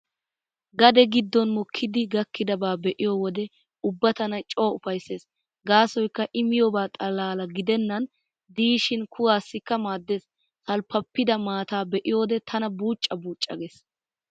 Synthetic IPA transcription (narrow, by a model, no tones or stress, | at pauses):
ɡɐd̪ɛɡɪd̪ːɔnmɔkʰːɪd̪ɪɡɐkːɪd̪ɐbaːbɛʔɪjɔwɔd̪ɛ | ʊbːɐt̪ɐnɐt͡ʃʼo̞ːʊfɐjsːe̞ːs | ɡaːsɔjkːɐʔɪmɪjɔbaːt̪ʼɐlaːlɐɡɪd̪ɛnːɐn | d̪iːʃɪnkʰʊwaːsːɪkːɐmaːd̪ːe̞ːs | hɐlpːɐpːɪd̪ɐmaːt̪aːbɛʔɪjoːd̪ɛt̪ʰɐnɐbuːt͡ʃʼːɐbuːt͡ʃʼːɐ̰ɡeːs